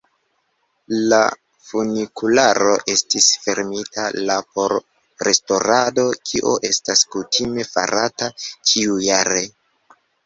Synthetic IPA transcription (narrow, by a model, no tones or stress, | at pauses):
la̰ | funikulaɾo̞ʔe̞stisfe̞ɾmitalapo̞ɾ | ɾe̞sto̞ɾado̞kʰiʔoʔe̞staskutime̞fa̰ɾatat͡ʃiujaɾe